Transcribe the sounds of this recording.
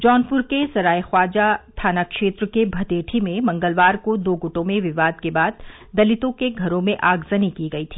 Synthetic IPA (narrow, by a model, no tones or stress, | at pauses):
d͡ʒɔːnpʊɾkesɐɾaːixwaːd͡ʒat̪ʰaːnakʃeːt̪ɾəkebʱɐt̪eːʈʰimẽmɐ̃ŋɡəlʋaːɾkod̪oːɡʊʈõmẽʋɪʋaːd̪kebaːd̪̚ː | ɐlɪt̪õkeɡʱɐɾõmẽʔaːɡzɐnikiɡɐit̪ʰiː